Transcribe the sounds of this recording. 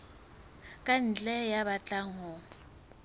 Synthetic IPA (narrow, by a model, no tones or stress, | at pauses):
kʼan̩t͡ɬʼɛjaβat͡ɬʼaŋɔ